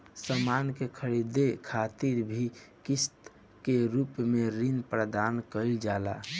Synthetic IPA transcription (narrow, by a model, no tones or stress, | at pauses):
səmankekʰəɾid̪ekʰat̪iɾbʱikist̪ | keɾuːpmẽɾinpɾəd̪ankəɪld͡ʒaːla̰